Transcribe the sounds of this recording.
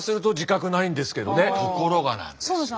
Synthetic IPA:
sɨɾɯ̟t̪o̞ʑikakɯ̟naĩnd̪e̞sɨ̥ke̞d̪o̞nekʰoko̞ɾo̞ɡanã̰nd̪̥s

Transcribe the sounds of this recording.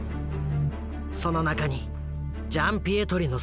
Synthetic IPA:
sɔnɔnakani | d͡ʒampiet̪ʰoɾinɔ

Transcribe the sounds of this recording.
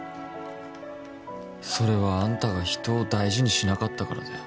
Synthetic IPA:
so̞ɾe̞βaãnt̪aɡaçi̥t̪o̞ːd̪aiʑiɲ̟iɕinakat̪ːakaɾa̰d̪e

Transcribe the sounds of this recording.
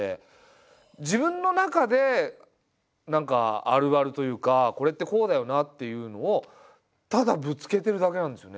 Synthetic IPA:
ḛ | d͡ʑibɯ̟̃nːo̞nakad̪e̞ | nãŋka̰a̰ɾɯ̟βaɾɯ̟t̪o̞jɯ̟ːkako̞ɾe̞t̪ːe̞ko̞ːd̪ajo̞nat̪ːe̞jɯ̟ːno̞ː | t̪ad̪abɯ̟t͡sɨ̥ke̞t̪e̞ɾɯ̟d̪ak̬e̞ãnd̪e̞sjone

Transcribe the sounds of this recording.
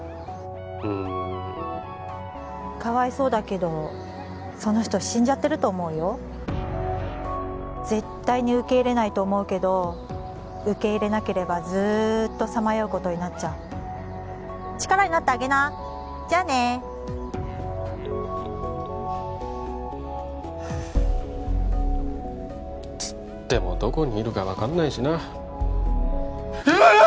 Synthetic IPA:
ɯ̃ | kaβaiso̞ːd̪ake̞d̪o̞ | so̞no̞çi̥t̪o̞ɕĩɲ̟d͡ʑat̪ːe̞ɾɯ̟t̪o̞ːmo̞ɯ̟jo̞ | ze̞t̪ːaiɲ̟iɯ̟ke̞iɾe̞nait̪o̞ːmo̞ɯ̟ke̞d̪o̞ | ɯ̟ke̞iɾe̞nake̞ɾe̞bazɨːt̪ːo̞samajoɯ̟ko̞t̪o̞ɲ̟inat͡ɕaɯ̟ | t͡ɕi̥kaɾaɲ̟inat̪ːeaɡe̞na | d͡ʑane̞ | t͡sɨ̥ | t̪ːe̞mo̞̰d̪o̞ko̞ɲ̟iːɾɯ̟kaβakanːaiɕina

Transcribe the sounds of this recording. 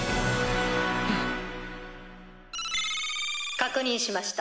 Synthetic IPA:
kakɯ̟ɲ̟ĩɰ̃ɕimaɕi̥t̪a

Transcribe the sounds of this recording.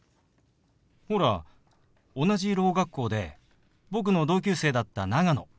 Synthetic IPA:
ho̞ɾa̰ | o̞naʑiɾo̞ːɡakːo̞ːd̪e̞ | bo̞k̬ɯ̟no̞d̪o̞ːk̬ʲɨːse̞ːd̪at̪ːanaɡano̞

